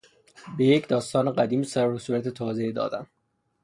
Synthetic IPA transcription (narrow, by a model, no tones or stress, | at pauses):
be̞jecd̪ɒːst̪ɒːneɢæd̪iːmsæosuːɾæt̪ʰet̪ʰɒːze̞id̪ɒ̰ːd̪æm